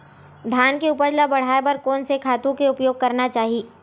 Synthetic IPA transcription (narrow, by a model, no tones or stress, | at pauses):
d̪ʱaːnkeʊpəd͡ʒlabɐɽ̤aːebɐɾkɔːnsekʰaːt̪ũkeʊpjoːɡ̚kɐɾnat͡ʃaːɦiː